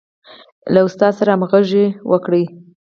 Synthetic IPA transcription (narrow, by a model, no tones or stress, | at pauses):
laʊst̪ɑsaɾamɣəʒewʔəkɽəj